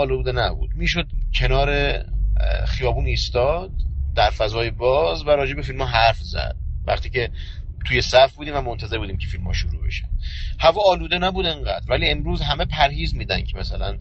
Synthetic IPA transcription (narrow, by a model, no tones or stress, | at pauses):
ɒːlud̪enæbṵːd̪̥miːʃo̞d̪̚cʰe̞nɒːɾe | χijɒːbuːniːst̪ɒːd̪̥̚ːæɾfæzɒːjebɒːzvæɾɒːd͡ʒe̞be̞filmɒːɦæɾfzæ̰d̪̥̚væ̰χt̪iːcʰe̞t̪ʰuːje̞sæfbuːd̪iːmvæmont̪ʰæzeɾbuːd̪iːmcʰefilmhɒ̰ːʃoɾuːbe̞̰ʃæ̰nd̪̥hævɒːɒːluːd̪enæbuːd̪eŋɢæd̪ɾvæliːe̞mɾuːzɦæme̞pʰæɾhiːzmiːd̪ænkʰemæsælæn